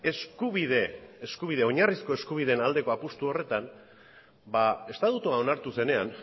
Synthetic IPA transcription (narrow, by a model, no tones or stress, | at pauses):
e̞skuβiðeːskuβið̞e̞o̞ɲarisko̞e̞skuβ̞ið̞e̞nald̪e̞ko̞apust̪uo̞re̞t̪an | bae̞st̪at̪ut̪uao̞naɾt̪use̞ne̞an